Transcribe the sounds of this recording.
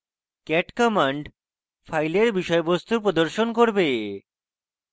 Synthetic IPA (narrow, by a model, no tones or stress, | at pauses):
kɛʈkɔmaɳɖ | fʰajleɾbiʃɔebost̪upɾod̪oɾʃonkoɾbe